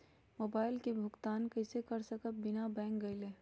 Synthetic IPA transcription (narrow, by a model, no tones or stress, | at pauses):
moːbaːɪlkebʱʊɡt̪aːnkɐɪsekɐɾsɐkəbɪnabɛ̃ːŋkɡɐileː